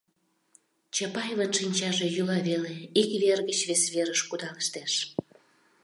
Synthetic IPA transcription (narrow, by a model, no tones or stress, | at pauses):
t͡ɕɑpɑjβənʃinʲt͡ɕɑʒejulɑβeleikβerɣət͡ɕβesβeɾəʃkud̪ɑləʃt̪eʃ